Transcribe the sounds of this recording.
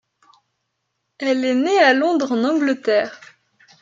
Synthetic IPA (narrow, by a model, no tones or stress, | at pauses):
ɛlɛnealɔ̃d̪ʁɑ̃nɑ̃ɡlət̪ɛːʁ